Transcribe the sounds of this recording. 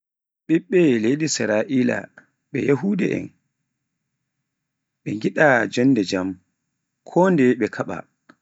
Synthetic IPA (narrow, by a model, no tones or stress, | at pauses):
ɓiɓːɛlejdisiɾaʔiːla̰ | ɓɛjahuːdɛ̰ʔɛ̰n | ɓɛŋɡiɗad͡ʒɔnːdɛd͡ʒam | kʰɔndɛɓɛkʰaɓa̰